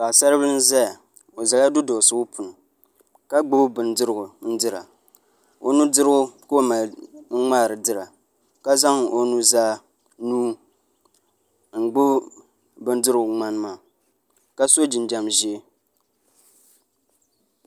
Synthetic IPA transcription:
ka˨sa˦ɾɨ˦bɨ˦ɨ˦n̩˦za˦ja˨ | o˨za˨la˦dʊ˦doː˨sɨ˨ʊ˦pʰʊ˨n˨ | ka˦ɡ͡bʊ˦bɨ˨n˦dɨ˦ɾɨ˨ɡʊ˨n̩˦dɨ˦ɾa̰˨ | o̰˨nu˦dɨ˦ɾɨ˦ɡʊ˦ko˦ma˨l̩˦ŋ͡maː˦˨ɾɨ˨dɨ˦ɾa˨ | ka˦za˦ŋo˦nu˦zaː˦ | nuː˦ | ŋ͡m̩˨ɡ͡bʊ˦ | bɨ˦ndɨ˦ɾɨ˨ɡʊ˨ŋ͡ma˦n˦ma˨ | ka˦so˦d͡ʒɪ˨n˨d͡ʒa˨mʒi˦e˦

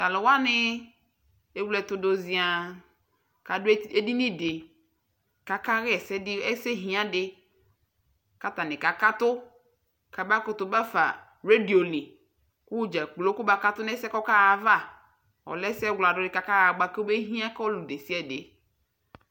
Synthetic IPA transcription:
ta˨lɪ˨wa˦nɪ˦ | e˦wlɛ˨t̪ʊ˦do˦zĩ˦a˨ | ka˨dʊ˦e˦di˦nĩ˦de˨ | ka˨ka˦ɣɪ˦ɛ˨sɛ˦ɛ˦se˦ɦĩ˨˦ã˦dɪ˨ | ka˨ta˨nɪ̃˨ka˨ka˦t̪ʊ˦ | ka˨ba˦kʊ˨˦t̪ʊ˨ba˦fa̰˨ | ɾe˦di˨o˨nɪ˨ | ku˦d͡ʒa˨k͡plo˦kʊ˦ba˨ka˦tʊ˦nɛ˦sɛ˦kɔ˦ka˦ɣa˨va˦˨ | ɔ̰˨lɛ˦sɛ˦wla˨dʊ˦dɪ˨ka˨ka˦ɣa˨ɡ͡ba˦ke˦be˦ɦĩ˦ã˦klu˨de˨si˦ɛ˦˨de˨

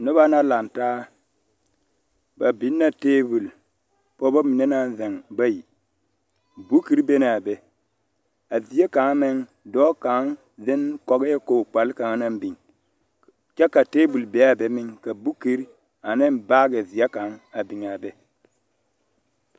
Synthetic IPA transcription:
no˦βa˦na˦la˨nta˦ | ba˨bi˨˦nːa˦teː˦bu˨l | po˦bo˦mi˨ne˦na˨nðe˨ŋba˦ji˨ | bu˦ki˦ɾbe˦na˨be˨ | a˨vi˨ja˦ka˨ŋa˦me˦ŋ | do˦ka˨˦ŋ | ðe˦nko˨ɡe˦ko˨k͡pa˨lka˨ŋa˦na˦m˦bi˨ŋ | ka˦ka˨te˦bu˨lbe˨˦a˦˨be˨˦mi˦ŋka˨bu˦ki˦ɾ | a˨ne˦nba˦ɡe˨vi˨ja˦ka˨˦ŋa˨bi˨ŋa˨be˦

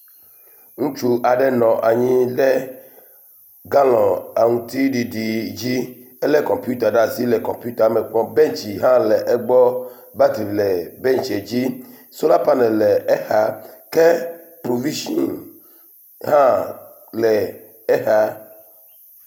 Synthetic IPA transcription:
ŋũ˦t͡ʃu˦ʔa˨ɖɛ˦nɔ̃˨ʔa˨ɲĩ˦lɛ˦ | ɡa˦lɔ̃˨a˨ŋũ˨t̪i˦ɖi˨ɖi˨d͡ʒi˦ | ɛ˦lɛ˦kɔ̃˨mpju˦t̪a˨ɖa˨zi˦lɛ˨kɔ̃˨mpju˦t̪a˨˦mɛ˨k͡pɔ̃˦bɛ˦nt͡ʃi˨ɦã˦lɛ˨ʔɛ˦ɡ͡bɔ˦ | ba˦t̪i˨vlɛ˨bɛ˦nt͡ʃe˨d͡ʑi˦ | so˦la˦pa˦nɛ˨lɛ˨ɛ˦ha˦kɛ˦ | pɾo˨vi˦ʃɔ˦˨n | ɦã˦ | lɛ˨ | ɛ˦xa˦

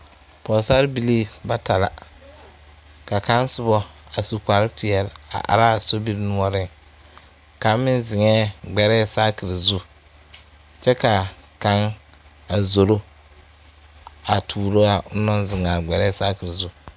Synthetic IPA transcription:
pɔ˨sa˦ɾbi˨li˦ba˦ta˨la̰˨ | ka˨ka˦n˦sʊ˦bɔ˦a˨su˨ka˨ɾɪ˦pʰɪ˨ɛ˨la̰˨ʔa̰˨ɾa˦˨so˦bi˦ɾnu˦ɔ˦ɾɪ˦ŋ | ka˨˦mɪ˦n˦zɪ˨ŋɛ˦ɡ͡bɛ˨ɾɛː˦sa˦kɪ˨ɾzu˦ | t͡ʃɛ˦ka˨ka˦ŋ | a˨zo˨ɾo˦ | a˨tʰuː˨ɾo˦a˨ʊ˦nɔ˦n˦zɪ˨ŋa˨ɡ͡bɛ˨ɾɛ˦˨sa˦kɪ˨ɾzu˦

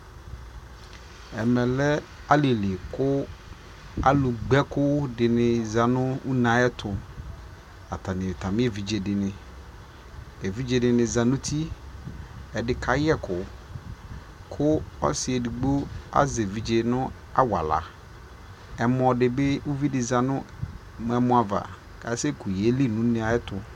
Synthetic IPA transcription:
ɛ˨mɛ˨lɛ˦ | a˦le˨le˨kʊ˦ | a̰˨lʊ˨ɡ͡bɛ˦kʊ˦dɪ˨nɪ̃˨za˨nʊ̃˦u˦nã˨˦ɛ˦t̪ʰʊ˨ | a˨t̪ʰa˨nɪ̃˨t̪ʰa˨mɪ̃˦e˦˨vi˨d͡ʒe˨dɪ˨nɪ̃˨ | e˨vi˦d͡ʒe˨dɪ˨nɪ̃˨za˨nʊ̃˦t̪ʰi˦ | ɛ˨dɪ˨kʰa˦jɛ˦kʊ˨ | kʰʊ˦ɔ̰˦sɪ˨ɛ˨di˨ɡ͡bo˦a̰˦ze˨vi˨d͡ʒe˨nʊ̃˦ | a̰˦wa̰˨la̰˨ | ɛ˨mʊ˨ɔ˨dɪ˨be˦ʊ˦vi˦dɪ˨za˨nʊ̃˦ | m˨ɛ˨mʊ̃˨a˨va̰˨ | kʰa˨˦se˦kʊ˨je˨˦li˦˨nʊ̃˦n˨˦a˨˦ɛ˦tʰʊ˨

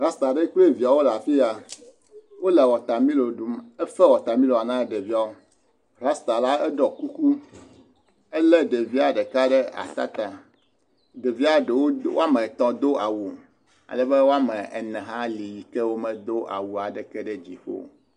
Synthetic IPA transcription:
ɾa˦st̪a˨ɖe˦k͡ple˦vi˨a˨wo˦la˨fi˦ja˨ | wo˦lɛ˨wɔ˨t̪a˨mĩ˦lo˨ɖu˨mɛ˦fɛ˦wɔ˨t̪a˨mĩ˦lo˨a˨nã˦ɖe˨vi˦a˨o˦ | ɾa˦st̪a˨la˦ɛ˦ɖɔ˨ku˦ku˦ | ɛ˦lɛ˦ɖe˨vi˦a˨ɖɛ˨ka˦ɖɛ˦a̰˨t̪a̰˦t̪a˨ | ɖ̪e˨vi˦a˦ɖe˨wo˦wo˦a˦mɛ̃˨t̪ɔ̃˨d̪o˦a˨wu˨ | a̰˨lɛ˨bɛ˦wo˦a˦mɛ̃˨ɛ˨nɛ̃˨ɦã˦li˨ji˨kɛ˦wo˦mɛ̃˨d̪o˦ʔa̰˨wu˨a˨ɖɛ˨kɛ˦ɖɛ˦d͡ʑi˨ɸo̰˦

